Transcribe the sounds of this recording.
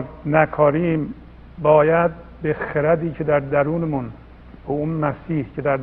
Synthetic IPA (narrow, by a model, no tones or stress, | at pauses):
nækʰɒːɾiːm | bɒːjæd̪̚ | bexeɾæd̪iːcʰe̞d̪æɾd̪æɾuːnemun | bɒunmæsiːhcʰe̞d̪æɾd̪